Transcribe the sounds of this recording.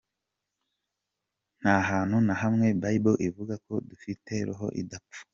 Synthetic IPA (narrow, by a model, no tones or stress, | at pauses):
n̥haɦaːn̥hunaɦamŋe̞baiboʔivuɡako̞dufite̞ɾuɦo̞̰ʔḭdapp͡fu̥